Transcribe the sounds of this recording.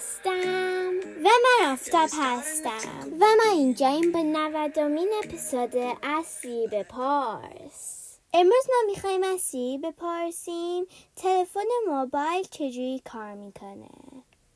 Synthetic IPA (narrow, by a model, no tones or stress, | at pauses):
st̪æmvæmænɒft̪ɒb̥hæst̪æ̰mvæmɒind͡ʒɒimbɒːnævæd̪ominepʰesoːd̪eʔæsibepʰɒɾs | ʔe̞mɾuːzmɒmixɒːhiːmæsibe̞pʰɒɾsimt̪ʰe̞lefonemobɒjlt͡ʃʰe̞d͡ʒuɾiːkʰɒːɾmikʰonḛ